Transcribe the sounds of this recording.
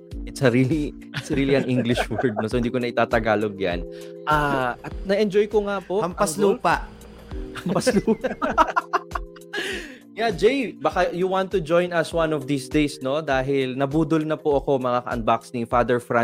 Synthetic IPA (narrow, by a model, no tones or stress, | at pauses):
ʔɛt̪sɐɾiːli | ɛt̪sɐɾiːliʔɐŋʔiŋɡlɪʃwɛɹd̪̚nosohɪnd̪iːkonɐʔɪt̪aːt̪ɐɡaːloɡja̰n | ʔaʔɐt̪̚nɐʔɛnd͡ʒojkoŋapoʔɐmpɐɐluːpɐʔ | ɐmpɐslupa | jad͡ʒejbɐkajʊwant̪ːʊd͡ʒo̞jnɐswãnɔfd̪isd̪ejsno̞d̪aːɦɪlnɐbuːd̪ʊlnɐpʊʔɐko̞mɐŋakɐ̰ʔɐ̰n̚baksnifad̪ɛɹfɹa